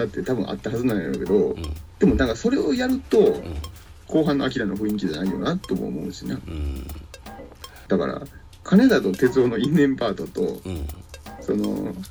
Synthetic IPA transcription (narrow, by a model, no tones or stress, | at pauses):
d̪at̪ːe̞t̪abɯ̟̃ʔa̰t̪ːaɦazɨnãɲ̃aɾoke̞d̪o̞d̪̥e̞mo̞nãŋkaso̞ɾe̞ojaɾɯ̟t̪o̞ | kʰo̞ːɦãnːo̞ak̬ʲiɾanoɸɯ̟̃ĩŋkʲid͡ʑanaijo̞̰nat̪ːoːmo̰ːmo̞̰ɯ̟ɕinḛ | d̪̥aka̰ɾa̰ | kʰaned̪at̪ot̪e̞t͡sɨo̞ːno̞ĩnːẽ̞mpaːt̪o̞t̪o̞̰ | so̞no̞̰